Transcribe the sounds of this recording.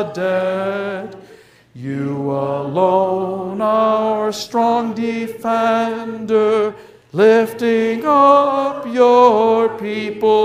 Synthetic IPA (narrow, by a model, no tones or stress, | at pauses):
dɛ | d | jɨəloʊnaə˞stɹ̥ɔ̃ŋdɪfɛndə˞ | lɪftɪ̃ŋʌpjə˞pʰipl̩